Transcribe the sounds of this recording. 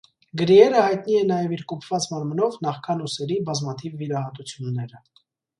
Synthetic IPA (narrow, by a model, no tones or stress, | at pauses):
ɡəɾiɛɾəhɑjt̪niɛnɑjɛviɾkupʰv̥ɑt͡smɑɾmənɔvnɑχkʰɑnusɛɾibɑzmɑt̪ʰivːiɾɑhɑt̪ut͡sʰjunːɛɾə